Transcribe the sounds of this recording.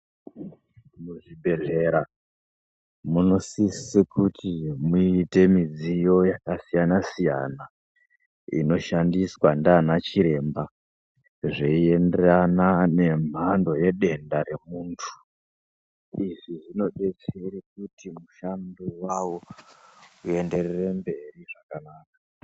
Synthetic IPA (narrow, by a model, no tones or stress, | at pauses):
muʐibʱe̞ɮe̞ɾa | muno̞sissekutimuite̞mid͡zijo̞jakasijanasija̰na | ḭno̞ʃandiswandaːnat͡ʃiɾe̞mba | ʐeie̞nderanane̞m̤ando̞je̞ɗe̞ndaɾe̞muːntʰu̥ | iʐiʐino̞ɗe̞t͡se̞ɾik̚utimuʃandiwawo | ue̞nde̞rere̞mbe̞riʐakanaːka